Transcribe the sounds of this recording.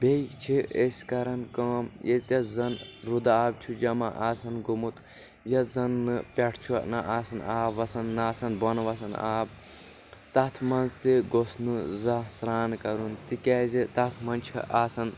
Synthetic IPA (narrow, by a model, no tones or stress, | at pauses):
bejt͡ʃʰiʔeskɐɾɐnkɐːmjet̪ʲɐzɐnɾud̪aːbt͡ʃʰud͡ʒɐmaʔaːsɐnɡumut̪ | jɐzɐnːɨpʲɐʈʰt͡ʃʰunɐʔaːsɐnaːbʋɐsɐnːaːsɐnbɐnʋɐsɐna̰ːb | t̪ɐt̪ʰmɐnzt̪iɡosnuzɐsɾaːnkɐɾunt̪ikɛːzit̪ɐt̪ʰmɐnt͡ʃʰḭʔaːsɐn